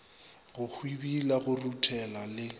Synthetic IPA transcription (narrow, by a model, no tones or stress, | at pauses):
ɣʊhwibilaɣʊrutʰɛlalɪ